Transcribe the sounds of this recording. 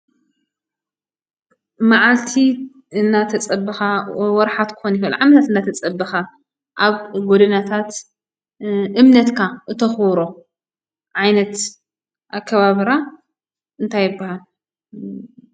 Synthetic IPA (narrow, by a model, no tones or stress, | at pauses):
maʕalt̪ʰi | ɨnːat̪ʰɐt͡sʼɐbːɨxawɔɾħat̪kʰɨ̥xonifɐl̰ʕamɐt̪ʰat̪ɨnd̪at̪ʰɐt͡sʼɐbːɐxa | ʔaβɡod̪ɐnat̪ʰat̪ | ʔɨmnɐt̪kʰaʔɨt̪ʰɐxwɾo | ʕajnɐt̪ | ʔakʰːɐβaβɨɾa | ɨnt̪ʰajːɪbːahal